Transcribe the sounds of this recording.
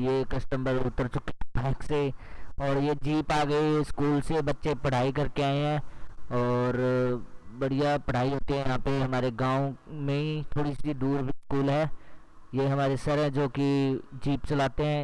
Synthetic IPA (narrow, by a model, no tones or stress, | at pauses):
jekɐsʈə̃mbəɾʊ̰t̪ːəɾt͡ʃʊkebɛ̃ːkseɔːɾjed͡ʒiːpaːɡəiɪskuːlsebɐtːʃepɐɽ̤aːik̬ɐɾkeaːeɦɛ̃ːɔːɾ | bɐɽijapɐɽ̤aːiɦoːt̪iɦɛ̃jɐɦãːpeɦɐmaːɾeɡãːõmẽit̪ʰoːɽisiid̪uːɾbʱiskuːlɦɛː | jeɦɐmaːɾesɐɾɦɛ̃d͡ʒoːkid͡ʒiːpt͡ʃɐlaːt̪eɦɛ̃ː